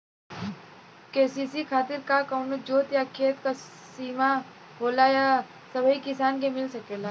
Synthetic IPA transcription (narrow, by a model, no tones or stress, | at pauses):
keːsisikʰaːt̪ɪɾkakəʊnod͡ʒoːt̪jakʰeːt̪ka | siːma | ɦoːlaja | sɐbʱəikɪsaːnkemɪlsɐkeːlaː